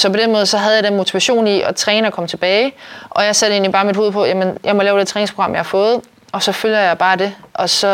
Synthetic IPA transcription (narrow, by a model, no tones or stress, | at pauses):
sɒ̽pʰɒ̽d̥enmɔ̽ːð̞ˠsɒ̽ɦæð̞̩ˠjɑ̈d̥enmo̝t͡sʰiʋæɕo̝̰ːniɒ̽t͡sʰʁɛːnɐkʰɒ̽m̰t͡sʰe̝b̥ɛːɪʔɒ̽jɑ̈ɪsæd̥e̝̰ːnlib̥ɑ̈ːmid̥ho̝ːðˠpʰɒ̽jæmenjɑ̈ɪmɒ̽lɛːʊdet͡sʰʁɛːneŋspʰʁoɡ̥ɑ̈mjɑ̈hɑ̈fɔ̽ːð̞̩ˠ | ʔɒ̽sɒ̽føljɐjɑ̈ɪb̥ɑ̈ːd̥e̝ʔɒ̽sɒ̽